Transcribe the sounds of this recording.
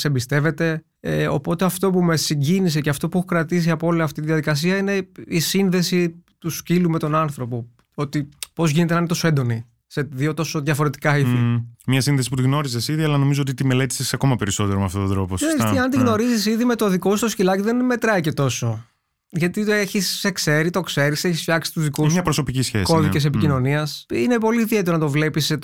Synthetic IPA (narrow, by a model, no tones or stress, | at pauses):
sembist̪e̞ve̞t̪e̞ | eo̞̰po̞t̪e̞ɐft̪o̞pume̞siɲɟinis̬e̞ceɐft̪o̞puexo̥kɾɐt̪is̬iɐpooliɐft̪it̪iðjɐðikɐs̬iɐine̞isinðe̞sit̪uscilume̞t̪o̞nɐnθɾo̞po̞ | ot̪ipo̞zʝinet̪enɐnet̪o̞soend̪o̞ni | seðio̞t̪o̞soðjʝɐfo̞ɾe̞t̪i̥kɐiðimɲɐsinðesiput̪iɣno̞ɾizesiðiɐlɐno̞mizoot̪it̪ime̞le̞t̪i̥sesɐko̞mɐpeɾiso̞t̪e̞ɾomeɐft̪ot̪od̪ɾo̞posesɐnt̪iɣno̞ɾizisiðime̞t̪o̞ðikost̪oscilɐciðe̞nme̞t̪ɾɐice̞t̪o̞so | ʝɐt̪ieçisekse̞ɾit̪o̞kse̞ɾiseçisfçɐksi̥t̪uzðikusmɲɐpɾoso̞picisçḛsko̞ðices̬e̞picino̞niɐsinepo̞liːðieeonɐt̪o̞vle̞pise